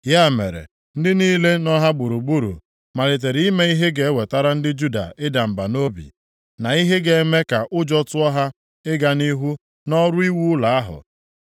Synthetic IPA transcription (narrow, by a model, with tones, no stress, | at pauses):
ja˦˨mḛ˨ɾḛ˨ | n̩˦dɪ˦niː˦le˦nɔ˦ɦa˦ɡ͡bu˨ɾu˨ɡ͡bu˦ɾṵ˨ | ma˨ɾi˨t̬e˨ɾi˦˨i˦me˦i˦ɦe˦ɡe˨e˦we˨ta˦ɾa˦n̩˦dɪ˦d͡ʒu˦da̰˨ɪ˦da˨m̩˨ba˨no˦bḭ˨ | na˨i˦ɦe˦ɡe˨e˦me˦ka˨ʔʊ˦d͡ʒɔ˦tʊ˦ɔ˦ɦa˦ | ɪ˦ɡa˨ni˦ɦu˦ | nɔ˦ɾʊ˦i˦wu˦la˨a˦ɦʊ̰˨